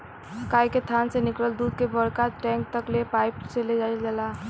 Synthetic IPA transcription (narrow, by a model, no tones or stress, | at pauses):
kajket̪ʰansenɪkɽəld̪uːd̪̚kebəɽkaʈɛ̃ŋk̚t̪əklepajpt͡ʃəled͡ʒad͡ʒəla